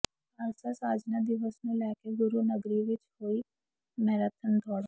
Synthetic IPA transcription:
əɾsasaːd͡ʒnad̪ɪʋəsmẽlɛːkeɡʊɾunəɡɾiʋɪt͡ʃɦoːi | mɛːɾət̪ʰənd̪ʰʱɔːɽ

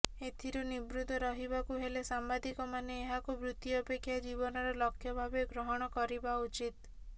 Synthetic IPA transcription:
et̪ʰiɾunibɾud̪ʱɔɾɔɦibakuɦelesambad̪ikɔmaneːɦakubɾut̪jːpekʰːjad͡ʒibɔnɔɾɔlɔkʰːjɔbʱabeɡɾɔɦɔɽ̃ɔkɔɾibaut͡ʃit̪

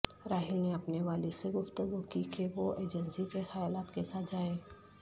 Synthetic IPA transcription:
ɾaːɦɪlneɐpneʋaːliseɡʊft̪əɡukikeʋoeːd͡ʒənsikexajaːlaːt̪kesaːt̪̚d͡ʒaːẽː

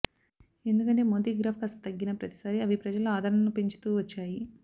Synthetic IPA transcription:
e̞nd̪ukɐneːmoːd̪iːɡɾaːpʰkɐst̪ɐt̪ɐɡːinɐpɾɐt̪i̥saːɾiɐʋipɾɐd͡ʒɐluaːd̪ʱɐɾnɐnupe̞ɲt͡ʃu̥t̪uːʋɐt͡ʃːaːji

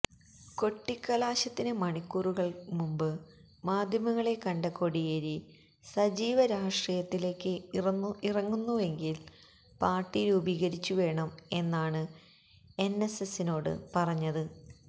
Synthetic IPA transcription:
ko̞ʈːikːɐlaːɕɐt̪ːinɨmɐɳikːuruɣɐɭmumbɨ | maːd̪ʱjɐmɐŋːɐɭe̞kɐɳɖɐkːo̞ɽijeɾi | sɐd͡ʑiːʋɐɾaːʂʈrijɐt̪ːile̞ːkːɨ | irɐŋːunːue̞ŋɡil | paːrʈːiɾubiːɣɐɾit͡ɕːuʋe̞ːɳɐme̞nːaːɳɨ | e̞nːe̞sesino̞ːɽɨ̰pɐrɐɲːɐðɨ

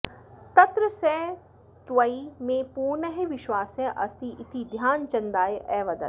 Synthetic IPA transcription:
t̪ɐt̪ɾəsɛ̃ | t̪ʋəimẽpuːnəɦeʋɪʃwaːsɛ̃ʔɐ̰st̪iʔɪt̪ʰid̪ʱjaːnt͡ɕɐ̃nd̪aːeʔɛːʋɐd̪ɐ̰

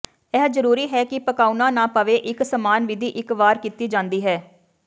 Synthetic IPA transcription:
ɛːɦzəɾuːɾiːɦɛːkɪpəkaːunãːnãːpəʋeːʔɪksəmaːnʋɪd̪iːʔɪkʋaːɾkit̪iːd͡ʒãːnd̪iːɦɛː

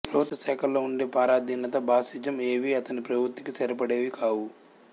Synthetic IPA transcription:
pɾɐbʱut̪ʋɐsɛːkʰɐlːoːuɳɖeːpaːɾaːd̪ʱinɐt̪ɐbʱaːsid͡ʒɐme̞ːʋiɐt̪ɐnipɾɐbɾut̪ːi̥kisɐɾɐpɐɽeːʋikʰaːwu

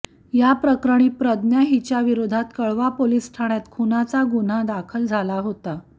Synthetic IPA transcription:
japɾəkɾəɽ̃ipɾəd̪njaɦit͡ɕjaʋiɾod̪ʱat̪kəɭʋapolisʈ̪ʰaɽ̃jat̪kʰunat͡saɡun̤ad̪akʰəld͡zʱalaɦot̪a

